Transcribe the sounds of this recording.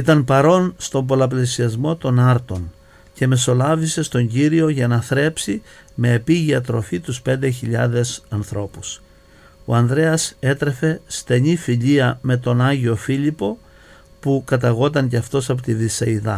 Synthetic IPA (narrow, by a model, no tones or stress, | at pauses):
it̪ɐnpɐɾo̞nst̪o̞mbo̞lɐp̬lesiɐzmo̞t̪o̞nɐɾt̪o̞n | ce̞me̞so̞lɐvise̞st̪o̞ɲɟiɾio̞ʝɐnɐθɾe̞psi | me̞ːpiʝiɐt̪ɾo̞fit̪uspe̞nd̪eçiʎɐðe̞sɐnθɾo̞pus | o̰ɐnd̪ɾe̞ɐse̞t̪ɾe̞fe̞st̪e̞ɲifiʎiɐme̞t̪o̞nɐɲʝio̞fiʎipo̞ | pukɐt̪ɐɣo̞t̪̬ɐɲceɐft̪o̞sɐp̬ot̪iðisɐiðɐ